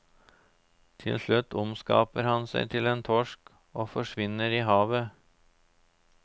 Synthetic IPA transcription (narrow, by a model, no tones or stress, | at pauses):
t̪ʰɪ̰lslʉt̪ʊmskɑ̰ːpəɾhɑnsæ̰ɪt̪ʰɪleːnt̪ʰɔʃk | oːfɔʂʋɪnəɾiːhɑːʋə